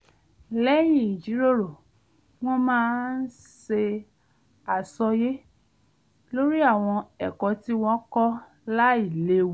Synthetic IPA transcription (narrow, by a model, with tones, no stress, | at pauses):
lɛ˦j̃ĩ˦˨i˨d͡ʒi˨˦ɾo˦˨ɾo˨ | w̃ɔ̃˦mãː˦n̩˦ | se˧ | a˨sɔ˧je˦ | lo˦ɾi˦a˦˨w̃ɔ̃˧ɛ˨kɔ˨˧ti˦w̃ɔ̃˧˦kɔ˦ | la˦i˦˨le˦w